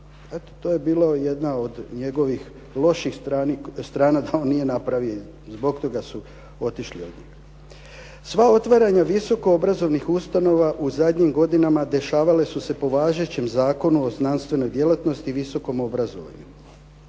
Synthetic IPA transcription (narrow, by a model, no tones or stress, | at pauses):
et̪o̥t̪o̞ːje̞biːlaje̞d̪nao̞d̪ɲe̞ɡo̞ʋix | lˠo̞ʃixɾaːnist̪ɾaːnad̪ao̞nːije̞napɾaʋioi | zbo̞ɡt̪o̞ɡasu | o̞t̪iʃlio̞d̪ɲiːx | sʋao̞t̪ʋaɾaɲaʋiso̞ko̞obɾazo̞ʋnixust̪ano̞ʋaʔuzad̪ɲimɡo̞d̪inamad̪e̞ʃaːʋale̞suse̞po̞ʋaːʒe̞t͡ɕe̞mzaːko̞nuo̞znanst̪ʋe̞no̞jd̪je̞lat̪no̞st̪iːʋiso̞ko̞mo̞bɾazo̞ʋa̰ɲu